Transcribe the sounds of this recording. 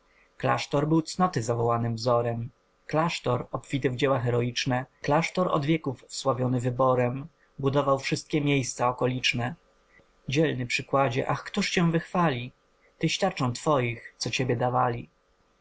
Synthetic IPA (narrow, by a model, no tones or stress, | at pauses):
kla̰ʂt̪ɔɾbɘwt̪snɔt̪ɘzavɔwanɘmvzɔɾɛm | klaʂt̪ɔɾɔpfʲit̪ɘvd͡ʑɛwaxɛɾɔit͡ʂnɛklaʂt̪ɔɾɔ̰d̪vʲjɛkufswavʲjɔnɘvɘbɔɾɛm | bud̪ɔvawfʂɘst̪̚kʲɛmʲjejst̪saɔkɔlʲit͡ʂnɛ | d͡ʑɛlnɘpʂɘkwad͡ʑɛ̰ʔaxkt̪uʂt͡ɕɛ̃w̃vɘxfalʲi | t̪ɘɕt̪ʲaɾt͡ʂɔ̃w̃t̪fɔjixt̪sɔt͡ɕebʲjɛd̪avalʲi